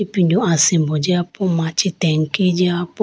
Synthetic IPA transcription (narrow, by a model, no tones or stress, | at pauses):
ipidoasimbɔd͡ʒeapʊmat͡ʃitɛŋ̩kid͡ʒeap